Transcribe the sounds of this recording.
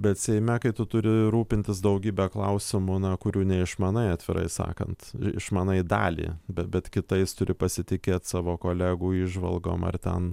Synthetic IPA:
bʲɛt̪sʲɛɪmʲɛkɐɪt̪ʊt̪ʊɾʲɪɾuːpʲɪnʲt̪ʲɪs̬d̪ɐʊɡʲiːbʲɛːklˠɐʊsʲɪmʊnɐkʊɾʲuːnʲɛɪʃmɑːnɐɪɑːt̪ʲʋʲɪɾʔɐ̰ɪsɑ̰ːkɐ̰nt̪ɪ̰ʃmɑːnɐɪd̪ɑ̰ːlʲḭːbʲɛtbʲɛt̪kʲɪt̪ɐɪst̪ʊɾʲʔɪpɐsʲɪt̪ʲɪkʲeːt̪sɑːʋoːkoːlʲæːɡuːiːʒʋɐ̰lˠɡo̰ːmɐ̰rt̪ʲɛn

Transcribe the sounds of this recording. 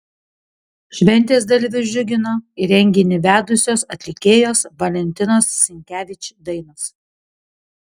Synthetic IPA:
ʃʲʋʲɛnʲt̪ʲeːs̬d̪ɐlʲʋʲɪʒʲʊɡʲɪnoːɪɾʲɛŋʲɡʲɪnʲɪʋʲæːd̪ʊsʲoːsɐt̪ʲlʲɪkʲeːjoːsʋɐlʲɛnʲt̪ʲɪnoːsːʲɪŋʲkʲæːʋʲɪt͡ʃʲd̪ɐɪnos

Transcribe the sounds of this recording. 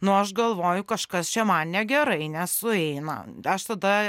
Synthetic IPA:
nʊɐʃɡɐlˠʋoːjʊkɐʃkɐst͡ʃʲɛmɐnnʲɛɡʲɛɾɐɪnʲɛssʊɛɪnɐ̰ɐʃt̪ɐd̪ɐ

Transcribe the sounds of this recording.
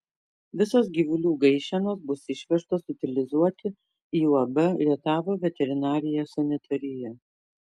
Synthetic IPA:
ʋʲɪsosɡʲiːʋʊlʲuːɡɐɪʃʲɛnoːsbʊsɪʃʲʋʲɛʃt̪oːsɪt̪ʲɪlʲɪzuɔt̪ʲɪ | iːuɐbʲɛlʲiɛt̪ɑːʋoːʋʲɛt̪ʲɛɾʲɪnɑːɾʲɪjɛsɐnʲɪt̪ʰɐɾʲɪjɛ

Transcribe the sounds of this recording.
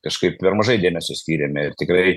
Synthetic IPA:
kɐʃkɐɪp̚pʲɛɾmɐʒɐɪd̪ʲeːmʲɛsʲʊsʲt̪ʲiːɾʲemʲɛɪrt̪ʲɪkɾɐɪ

